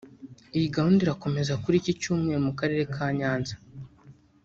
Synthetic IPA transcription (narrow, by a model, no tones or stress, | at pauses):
ijiɡahuːndiɾako̞me̞zakuɾicicuːmŋe̞ɾomukaɾe̞ɾe̞kʰaːɲaːnzḁ